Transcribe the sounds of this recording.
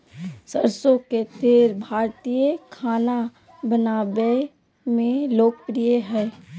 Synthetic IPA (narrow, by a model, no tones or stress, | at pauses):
səɾsõket̪ʰeːɾbʱaːɾt̪ijəkʰaːna | bənaːbe | mẽloːk̚pɾijeɦɛː